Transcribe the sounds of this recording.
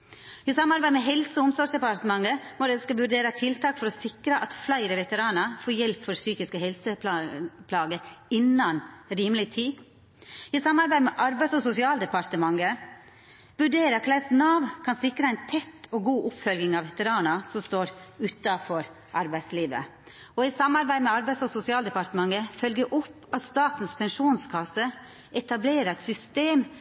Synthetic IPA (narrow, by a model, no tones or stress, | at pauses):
ɪsɑmːɑɾbæɪmɛɦɛlsəɔʊmsɔsd̪ɛpɑɾt̪əmɑŋːəmɔd̪ɛskɑʋʉɾɖeːɾɑt̪ʰɪlt̪ʰɑːkfɔɾɔsɪkɾəʔɑt̪flæɪɾəʋɛt̪əɾɑːnɑfoːɾjɛlpfɔɾsyːkɪskəɦɛlsəpʰlɑpʰlɑːɡəɪnːɑnɾiːmlɪt̪ʰiː | ɪsɑmːɑɾbæɪmɛʔɑɾbæɪsɔsʊsɪɑːld̪ɛpɑɾt̪əmɑŋːə | ʋʉɖeːɾəkʰlæɪsnɑːʋkʰɑnsɪkɾəæɪnt̪ʰɛt̪ʰːɔɡuːʔʊpfœlɡɪŋɑʋʋɛt̪əɾɑːnɑsɔmst̪oːɾʉːt̪ɑfɔɾ | ʔɑɾbæɪsliːʋə̰ | ɔɪsɑmːɑɾbæɪmɛɑɾbæɪsɔsʊsɪɑːld̪ɛpɑɾt̪əmɑŋːəfœlɡəʔʊpː | ɑt̪st̪ɑːt̪n̩spʰɛnʂuːnskʰɑsə | ʔɛt̪ɑbleːɾɛt̪sʏst̪eːm